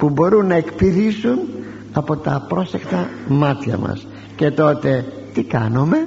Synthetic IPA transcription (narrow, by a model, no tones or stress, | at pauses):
pubo̞ɾunːɐe̞kpiðisun | ɐpo̞t̪ɐpɾo̞se̞kt̪ɐmɐt̪çɐ̰mɐ̰s | ce̞t̪o̞t̪e̞ | t̪ikɐnome̞